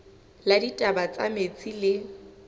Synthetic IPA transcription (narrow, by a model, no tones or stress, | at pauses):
laditʼabat͡sʼamet͡sʼilɪ